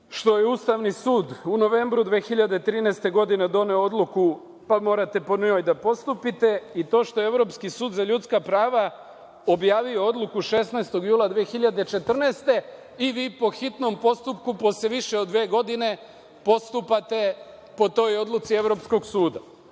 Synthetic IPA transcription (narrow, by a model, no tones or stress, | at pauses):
ʃt̪o̞jeust̪aʋnisuːd̪uno̞ʋe̞ːmbɾud̪ʋe̞ːxiʎad̪et̪ɾiːnɛest̪e̞ɡo̞d̪ine̞d̪o̞ne̞oo̞d̪lˠuku | pamo̞ːɾat̪e̞po̞no̞ːjd̪apo̞st̪upit̪e̞it̪o̞ːʃt̪o̞jeeʋɾo̞pskisuːd̪zaʎut̪skapɾaːʋa | o̞bjaːʋio̞o̞d̪lˠukuʃe̞snaest̪o̞ɡjuːlˠad̪ʋeːxiʎad̪et͡ʃe̞t̪r̩neːst̪e̞ | iʋiːpo̞xit̪no̞mpo̞st̪upkupo̞seʋiʃeod̪ʋeːɡo̞d̪ine̞ | po̞st̪upat̪e̞ | po̞t̪o̞jo̞d̪lˠut̪sie̞vɾo̞psko̞ɡsuːd̪a